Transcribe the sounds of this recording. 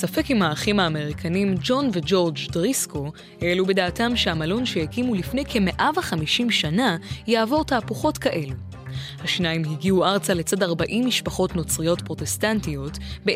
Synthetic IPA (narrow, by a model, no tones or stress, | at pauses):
safekimhaːχimhaːme̞ʁikʰanimd͡ʒo̞nved͡ʒo̞ʁd͡ʒdʁisko̞ | heelube̞daːtamʃeamalonʃehekimulifne̞jkʰe̞me̞ʔavaχamiʃimʃanajaːvo̞ʁtaːpuχo̞tkaʔe̞lu | haʃnaimɦiɡiuaʁt͡sale̞t͡sadaʁbaʔimːiʃpaχo̞tno̞t͡sʁijo̞tpʁo̞te̞stantijo̞tbe